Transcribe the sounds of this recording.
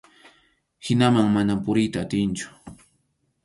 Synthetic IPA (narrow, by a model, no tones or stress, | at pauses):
hɪnamaŋmanampʊɾɪjt̪aːt̪ɪnt͡ʃʊ̥